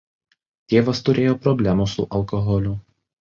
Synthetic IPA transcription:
t̪ʲeːʋɐst̪ʊɾʲeːjoːpɾɔbʲlʲæmusʊʔɐlˠkɔɦɔlʲʊ

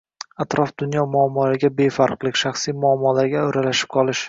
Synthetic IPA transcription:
at̪ɾʔɒfd̪̥ʊnjɒmʊamːɒlaɾɡʲabe̞faɾqlˠɪkʲʃaχsijmʊamːɒlaɾɡʲaoɾalaʃɪ̥p̚qʰɒlˠɪʃ

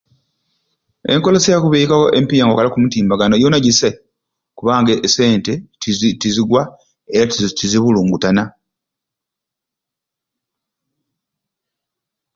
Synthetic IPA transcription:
e̞̰ŋko̞losijakuβeikakoʔempijaŋɡokalakumutiːmbaɡanojonaɟise | kuβaːŋɡeʔːse̞ːnte̞tiziɡwa | e̞ɾatiziβuluːŋɡutana

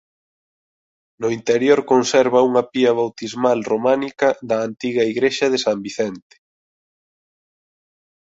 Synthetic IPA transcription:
nʊint̪eɾjoɾkonsɛɾβɐuŋɐpiɐβ̞awt̪izmalromanikɐd̪ɐːnt̪iɣɐiɣɾeʃɐðesambiθɛnt̪e̥

